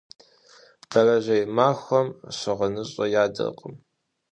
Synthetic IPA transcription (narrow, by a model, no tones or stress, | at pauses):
b̥ɐrɐʒɐjmaːxʷɐmɕɨʁɐnɨɕʼɐjaːdɐ̰qʼəm